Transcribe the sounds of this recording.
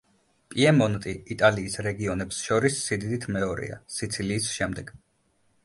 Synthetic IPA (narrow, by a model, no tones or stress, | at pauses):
pʼiɛmɔnt̪ʼiit̪ʼaliːsɾɛɡiɔnɛpsʃɔɾisːid̪id̪it̪ʰmɛɔɾḭa̰sit̪sʰiliːsʃɛmd̪ɛɡ̥